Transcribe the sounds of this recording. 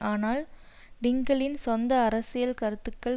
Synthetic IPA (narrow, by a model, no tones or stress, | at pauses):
aːnaːl | ɖɪŋɡɐɭɪnsɔnd̪ɐːɾɐsɪjɐlkɐɾɯt̪ːɯkːɐɭ